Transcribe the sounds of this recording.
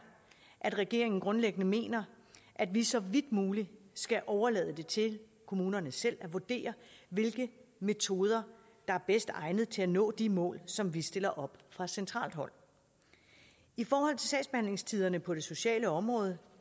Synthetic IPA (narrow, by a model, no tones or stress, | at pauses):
ʔæd̥ʁɛɡ̥e̝̰ɐ̰e̝ŋn̩ɡ̥ʁɔ̽nleɡ̥ənəme̝̰ːnɐ | ʔæd̥ʋisɒ̽ʋid̥̚muːlisɡ̥æʔɒʊɐlɛ̰ːð̞ˠəd̥e̝t͡sʰe̝l | kʰo̝muːnɐnəsel̰æʋuɐd̥e̝̰ːɐʋe̝lɡ̥əme̝t͡sʰo̝ːð̞ˠɐ | d̥ɑ̈æɐb̥esd̥ɑ̈ɪnð̩ˠt͡sʰe̝lænɔ̰ːd̥imɔ̰ːlsɒ̽mʋisd̥e̝l̰ɐʔɒ̽b̥fʁɑ̈sent͡sʰʁɑ̰̈ːld̥ɦɒ̽l̰ | ifɒːhɒ̽l̰t͡sʰe̝sɛ̰ːsb̥e̝hænle̝ŋst͡sʰiːð̞ˠɐnəpʰɒ̽ɾ̥e̝so̝ɕɛ̰ːləɒ̽mʁɔ̽ːð̞ˠə